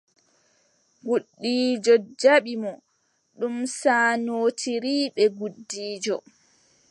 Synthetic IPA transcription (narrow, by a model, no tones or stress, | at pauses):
ɡuɗːiːd͡ʒɔd͡ʒaɓimɔ | ɗumsaːnoːtʰiɾiːɓɛɡuɗːiːd͡ʒɔ